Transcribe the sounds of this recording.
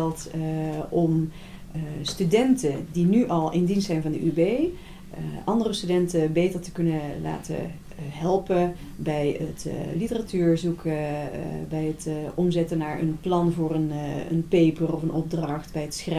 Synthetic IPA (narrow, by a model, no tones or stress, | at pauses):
ɛlˠt | ɔm | stydɛntədinyʔɑlˠɪndinstsɛjnvɑndəʔybej | ʔɑndərəstydɛntəbejtəɹtəkɵnəla̰ːtə̰ | ɦɛlˠpə | bɛjətlitəratyːɹzuk | bɛjətʔɔmzɛtənaːɹə̰nplɑnvʊːrənə̰npejpərɔfənʔɔb̚drɑχtbɛjətsxrɛ